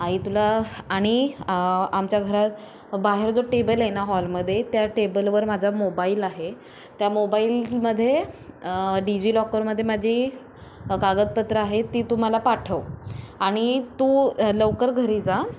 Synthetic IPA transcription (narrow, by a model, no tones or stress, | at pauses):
aɦit̪ulaːɽ̃i | amt͡ɕjaɡʱəɾat̪ | baɦeɾd͡zoʈebəljenaɦɔlməd̪ʱːjet̪jaʈebəlʋəɾmad͡zʱamobailaɦe | t̪jamobailməd̪ʱːje | ɖid͡ʑiːlɔkəɾməd̪ʱːjemad͡ʑʱi | kaɡət̪̚pət̪ɾəaɦet̪ːiːt̪um̤alapaʈʰəʋaɽ̃it̪uləʋkəɾɡʱəɾid͡za